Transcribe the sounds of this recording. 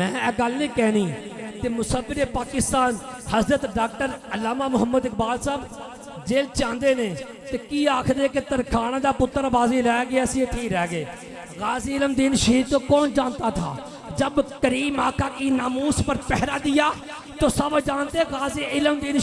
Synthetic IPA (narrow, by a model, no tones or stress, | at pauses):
mɛ̃ːɛːɡəlnĩːkɛːniːt̪eːmʊsəfːɪɾeːpaːkɪst̪aːnhəzɾət̪ɖaːk̚ʈəɾəlːaːmaːmʊɦəmːəd̪ɪk̚baːlsaːb | d͡ʒeːlt͡ʃãːnd̪eːneː | t̪eːkiːaːkʰd̪eːket̪əɾkʰaːnaːd̪aːpʊt̪ːəɾbaːziːlaːaɡeəsĩːʈʰiːkɾɛːɡeː | ɣaːzeːɪləmd̪inʃiːɾt̪õːkɔːnd͡ʒãːnt̪aːt̪ʰa̰ː | d͡ʒəbkəɾiːmaːkʰaːkiːnaːmuːspəɾpɛɦɾaːd̪ɪjaː | t̪oːsəbd͡ʒaːnt̪eːɣaːzeːɪləmd̪ɪn